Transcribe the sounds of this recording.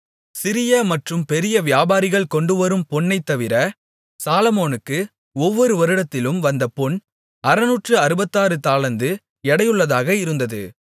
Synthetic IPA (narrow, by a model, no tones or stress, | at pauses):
sɪɾɪjɐmɐʈrɯmpɛɾɪjɐʋjaːbaːɾɪɣɐɭkɔɳɖɯʋɐɾɯmpɔɳːɐɪt̪ːɐʋɪɾɐ | saːlɐmoːnɯkːɯ | ɔʋːɔɾɯʋɐɾɯɽɐt̪ːɪlɯmʋɐnd̪ɐpɔɳ | ɐɾɐnuːʈrɯɐɾɯbɐt̪ːaːɾɯt̪aːɭɐnd̪ɯ | ɛɽɐjɯɭːɐðaːɣɐɪɾɯnd̪ɐðɯ̰